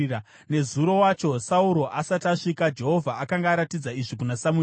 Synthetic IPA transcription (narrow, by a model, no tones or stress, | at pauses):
ne̞zuɾo̞wat͡ʃo̞sauɾo̞ʔasataʂikad͡ʒe̞ɦo̞vʱaʔːkaŋɡaːɾatid͡zaiʐikunasamu